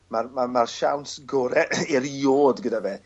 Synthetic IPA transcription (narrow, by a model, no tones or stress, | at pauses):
marmamarʃa̰wnsɡɔːɾɛɪɾjoːdɡədavɛː